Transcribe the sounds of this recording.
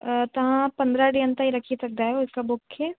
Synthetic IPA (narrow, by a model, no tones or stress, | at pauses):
t̪ɐɦãpɐ̃nd̪ɾaɖiə̃nt̪ãɦiɾɐkʰisɐk̚d̪aɦɛoʊskabʊkʰːɛ